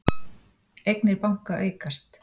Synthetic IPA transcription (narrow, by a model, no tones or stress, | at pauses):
ejknɪɾpawŋ̥kaʔeːjkast̪